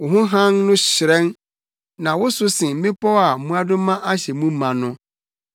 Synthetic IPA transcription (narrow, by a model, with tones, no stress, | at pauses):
wʊ˨ɦʊ̃˦ɦã˦nnʊ̃˦ɕɪ˨ɾɛ̃˦n | nã˨wʊ˦sʊ˦sɪ̃˨m̩˦mɪ̃˦pʰɔ˦a˨˦mũ˦a˦dʊ̃˦mã˦ʔa˦ɕɛ˨mũ˦mã˨nʊ̃˦